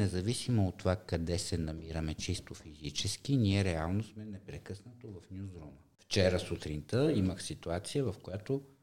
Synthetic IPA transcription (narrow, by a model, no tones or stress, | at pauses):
nɛzɐvisimoot̪ːovakɐd̪ɛsɛnɐmiɾɐmɛt͡ʃist̪ofizit͡ʃɛsk̟iniɛɾɛalˠnosmɛnɛpɾɛkɤsnət̪ovɐfnʲjuzɾuməft͡ʃɛɾəsut̪ɾint̪əiməxsit̪uat̪sijəvɐfkojat̪o